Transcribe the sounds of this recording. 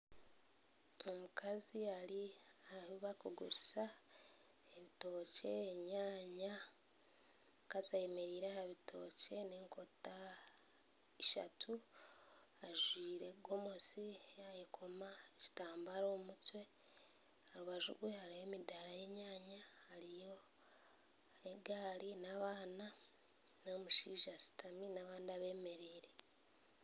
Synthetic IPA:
omukʰaziaɾiaβiβakuɡṵɾusa | eβito̞ːce̞ːɲaːɲa | kazajemeɾiːɾehaβitʰo̞̰ːce̞neːŋko̞ta | iʃa̰tʰu | aʒwiːɾe̞ɡomosiajekʰo̞maeci̥taːmbaɾoːmutwe̞ | haɾuβaʒṵɡwe̞haɾijoemidaɾaje̞ɲaːɲahaɾijo̞ | eɡaːɾinaβaːna | nomuʃiːʒasi̥taminaβaːndaβe̞ːme̞ɾiːɾe̞

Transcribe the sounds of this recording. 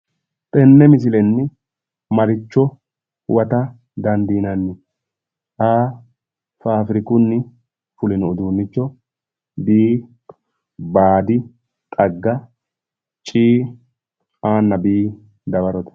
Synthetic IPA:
t̪ʼɛnːɛmɪs̬ɪlɛnːɪ | mɐɾɪt͡ʃːɔ | wɐt̪ɐ | d̪ɐnd̪iːnɐnːɪ | ʔaː | faːfɾɪkʊnːɪ | fʊlɪnɔʊd̪uːnːɪt͡ʃːɔ | biː | baːd̪ɪ | t̪ʼɐɡːɐ | t͡ʃʼiː | aːnːɐbiː | d̪ɐbɐɾɔt̪ɛ̥

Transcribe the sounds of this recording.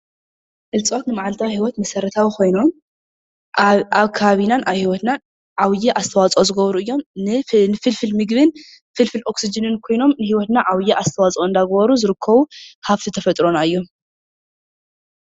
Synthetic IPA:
ʔɨlt͡sʼo̞t̪nɨmaʕalt̪ʰawhiwɔt̪mɐsɐɾɐt̪ʰawikʰo̞jno̞m | aβkʰaβaβinanʔaβhiwɔt̪nan | ʕawjɛʔast̪ʰɐwat͡sʼozɨɡɐβɾuɨjːo̞mnɨnɨfɨlfɨlmɨɡβɨn | fɨlfɨlʔo̞ksid͡ʒɨnɨnkʰo̞jno̞mnɨhiwɔt̪naʕawjɛʔast̪ʰɐwat͡sʼoɨnd̪aɡɐβɐɾuzɨɾɨkʰːɐβuhaft̪ʰit̪ʰɐfɐt̪ʼɾo̞naɨjːom

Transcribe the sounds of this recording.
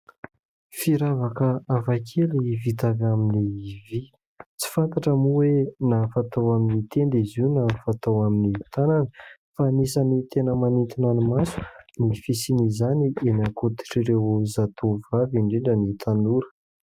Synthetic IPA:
fiɾavakəavakʰelivit̪avaminivi | t͡si̥fant̪aʈ͡ʂəmuwenafat̪awaminit̪end̪izinafat̪awaminit̪ananə | fanisənit̪enəmanint̪inanimasu̥nifisinizanienakut̪i̥ʈ͡ʂiɾewzat̪ʰovaviɳɖ͡ʐeɳɖ͡ʐənit̪ʰanuɾə̥

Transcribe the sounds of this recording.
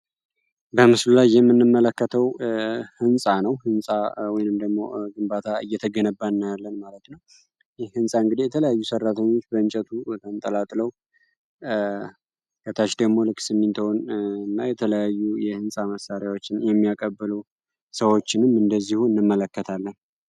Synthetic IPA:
bəmɨslulajːɛmːɨnːɨmːələkːət̪ʰəwhɨnsʼanəwhɨnsʼawɔjnɨmd̪əɡmo̞̰ɡɨmbat̪ʰaɨjːɛt̪ʰəɡənəbːanːajalːənmalət̪nəw | jɛhɨnsʼaɨŋɡɨd̪ijɛt̪ʰələjajːusərːat̪ʰəɲːo̞t͡ʃːbəɨnt͡ʃʼɛt̪ʰut̪ʰənt̪ʼəlat̪ʼləw | ɡət̪ʰaʃd̪əɡmo̞lɨkʼːsɨmːɨnt̪ʰəwonɨnːajɛt̪ʰələjajːujɛhɨnsʼaməsaɾjawo̞t͡ʃːɪnjɛmːijakʼəbːɨlə | səwo̞t͡ʃːɪnɨmɨnd̪əzːihuɨnːɨmːələkːət̪ʰalːən

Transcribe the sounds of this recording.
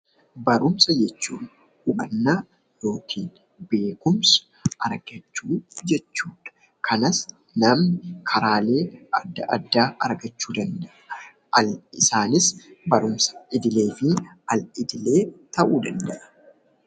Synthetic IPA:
bɐɾʊmsɐd͡ʒɛt͡ʃːuːn | ʊʔɐ̰nːaː | jo̞ːkʰiːn | be̞ːkʊmsɐ̥ | ʔɐɾɡ̥ɐt͡ʃːuːd͡ʒɛt͡ʃːuːᶑɐ̥ | kʰɐnɐs | nɐmɪkʰɐɾaːle̞ːɐd̪ːɐʔɐ̰d̪ːaːʔɐɾɡɐt͡ʃːuːd̪ɐnd̪ɐʔɐ | ɐlɪsaːnɪsbɐɾʊmsɐ̥ʔɪd̪ɪle̞ːfɪ | ɐlɪd̪ɪle̞ːt̪ɐʔuːd̪ɐnd̪ɐʔɐ̥

